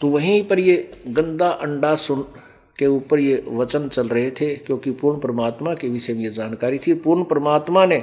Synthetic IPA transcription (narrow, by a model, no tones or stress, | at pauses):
t̪oʋɐɦĩpəɾjeɡə̃nd̪aʔɐ̃ɳɖasʊn | keuːpəɾjeʋɐt͡ʃənt͡ʃɐlɾɐɦet̪ʰekjõːkipuːɾɳəpɾəmaːt̪makeʋɪsemjed͡ʒaːnkaːɾit̪ʰipuɾɳəpɾəmaːt̪manẽ